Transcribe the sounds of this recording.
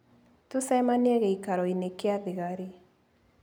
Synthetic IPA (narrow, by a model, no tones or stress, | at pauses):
tosɛmaneɛɣɛikaɾɔinekeaðeɣaɾe